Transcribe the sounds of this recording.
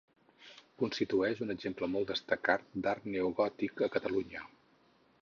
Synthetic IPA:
kunst̪it̪uɛʃunəɡʒempləmɔlˠd̪əst̪əkat̪̚d̪art̪neuɣɔt̪ikəkət̪əluɲə

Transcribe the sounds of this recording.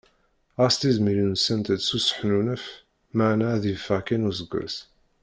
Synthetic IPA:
ʁɑst̪izmilinsænt̪əd̪susħnunəf | maʕnæðivfæʁkinuzəɡʷːæ̰s

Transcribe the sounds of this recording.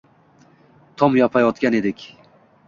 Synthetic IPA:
t̪ʰɒmjɒpʰajɒt̪kʲane̞d̪ɪkʲ

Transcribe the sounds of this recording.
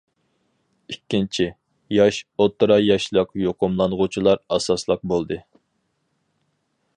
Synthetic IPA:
ikʲːint͡ʃʰi | jɑʃot̪ːɾɑjɑʃlˠəqjoqʊmlˠɑnʁʊt͡ʃʰilˠɑɾɑsɑslˠəq̚bolˠd̪ɨ

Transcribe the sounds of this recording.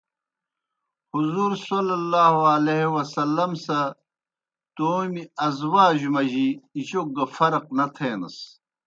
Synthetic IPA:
huzuːɾsolɐlːaːhoɐleɦwɐsɐlːɐmsɐ | t̪oːmiɐzwaːʑumɐʑiːt͡ɕok̚ɡɐfɐɾɐq̚nɐt̪ʰeːnɐ̰s

